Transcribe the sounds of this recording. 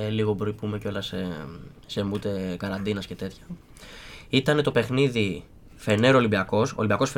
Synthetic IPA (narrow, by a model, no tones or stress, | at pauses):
eliɣo̞bɾoipume̞co̞lɐse | se̞mut̪e̞kɐɾɐnd̪inɐsce̞t̪e̞t̪çɐ̥ | it̪ɐne̞t̪o̞pe̞xniði | fe̞ne̞ɾolimbiɐko̞so̰limbiɐko̞sfe